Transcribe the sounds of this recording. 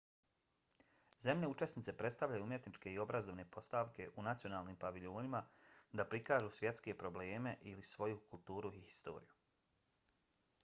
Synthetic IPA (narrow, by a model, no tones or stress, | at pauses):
ze̞mne̞ut͡ʃe̞snit̪se̞pɾe̞t̪st̪aʋʎajuumje̞t̪nit͡ʃke̞io̞bɾazoʋne̞pʰo̞st̪aʋke̞ʔunat̪sijo̞naːlˠnimpaʋiʎoːnimad̪apɾikaːʒuːsʋje̞t̪ske̞pɾo̞ble̞ːme̞ʔilisʋo̞jukulˠt̪uːɾuihi̥st̪o̞̰ːɾḭju